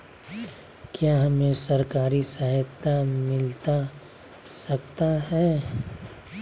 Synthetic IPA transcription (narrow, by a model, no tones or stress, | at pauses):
kjaːɦɐmẽsɐɾkaːɾisəɦət̪ːamɪlt̪a | sɐkt̪aɦɛː